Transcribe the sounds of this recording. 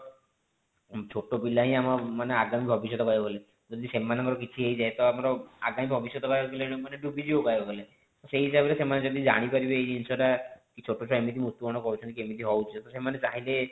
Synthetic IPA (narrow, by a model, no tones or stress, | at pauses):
t͡ʃʰoʈopilaɦĩamɔmaneaɡamibʱɔbisjɔt̪ɔkɔjɔɡɔle | d͡ʒɔd̪isemanɔ̃ŋkɔɾɔkit͡ʃʰiejd͡ʒaet̪ɔamɔɾɔaɡamibʱɔbisjɔt̪ɔkɔjkɔlẽmaneɖubid͡ʒiokaebɔɡɔle | ɔseɦɦisabelesemaned͡ʒɔd̪id͡ʒa̰ɽ̃ipaɾibeejinsɔʈakit͡ʃʰoʈot͡ʃʰɔemit̪̬imust̪ukɔɽ̃ɔkɔut͡ʃʰɔnt̪ikiemit̪̬iɦɔwt͡ʃʰiɔt̪ɔsemanet͡ʃaɦile